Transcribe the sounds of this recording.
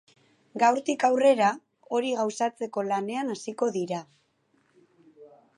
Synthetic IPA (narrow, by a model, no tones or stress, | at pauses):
ɡawɾt̪ikawre̞ɾa | o̞ɾiɣawsat͡se̞ko̞lane̞anasiko̞ðiɾa